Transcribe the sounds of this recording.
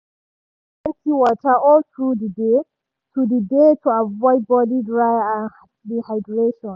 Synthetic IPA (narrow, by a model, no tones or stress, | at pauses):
ɛ̃ntʰiwɔtʰəɔltʰɹudide | tudidetʰuavɔɪd̚bɔdidɹajãn | lihaɪdɹeʃɔ̃n